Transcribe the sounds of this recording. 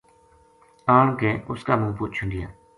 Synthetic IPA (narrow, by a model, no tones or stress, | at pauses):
aːɳkẽːʔʊskaːmũːpʊːt̪̚t͡ʃʰʊnɡɪja̰ː